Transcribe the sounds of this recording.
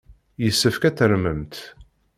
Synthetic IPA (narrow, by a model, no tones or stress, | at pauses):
jəsːəfkæθəɾməmt̪